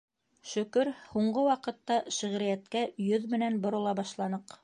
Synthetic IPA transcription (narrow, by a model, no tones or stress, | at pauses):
ʃɵ̆kɵɾhuɴɢɤwɑqɤ̆t̪ːɑʃɘ̆ʁɾɘ̆jæt̪kæjɵðmɘ̆nænbŏɾŏlˠɑbɑʃlˠɑnɤq